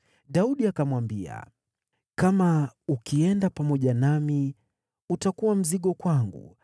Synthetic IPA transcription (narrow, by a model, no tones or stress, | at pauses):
ɗauɗiakamwambia̰ | kamaukiɛndapamɔʄanami | utakuwam̩ziɠɔkwaŋɡṵ